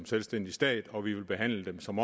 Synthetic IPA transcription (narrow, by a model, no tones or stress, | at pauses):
mselsd̥en̰d̥isd̥ɛ̰ːd̥ˠɒ̽ʋiʋe̝lb̥e̝ɦæn̰ləd̥emsɒ̽mɒ̽